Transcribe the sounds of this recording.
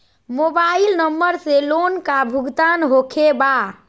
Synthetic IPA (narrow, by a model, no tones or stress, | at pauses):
mobailnəmːəɾselonkabʱuɡt̪anɦokʰeba